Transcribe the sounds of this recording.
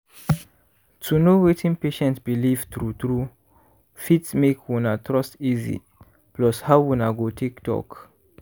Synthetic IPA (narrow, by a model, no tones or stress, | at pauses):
tʰunowetʰĩnpeʃɛ̃ntsbilivt̪ɹut̪ɹu | fitsmekʰwunatʰɹɔstizḭ | plɔshawwunaɡotʰektɔ̰k